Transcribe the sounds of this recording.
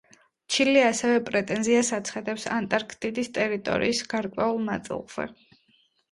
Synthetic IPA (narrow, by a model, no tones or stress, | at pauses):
t͡ʃʰiliasɛvɛpʼɾɛt̪ʼɛnziasat̪sʰχad̪ɛpsa̰nt̪ʼaɾkʰt̪ʼid̪ist̪ʼɛɾit̪ʼɔ̰ɾḭːsɡ̥aɾkʼwɛulˠna̰t̪sʼḭlˠz̥ɛ̰